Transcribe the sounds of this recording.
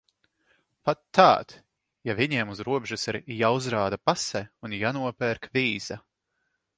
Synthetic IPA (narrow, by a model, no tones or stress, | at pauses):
pat̪ːaːt̪ | javiɲiɛmuzɾuɔbʲʒusiɾjauzɾaːd̪apasɛunjanuɔpʲɛɾkvʲiːz̥a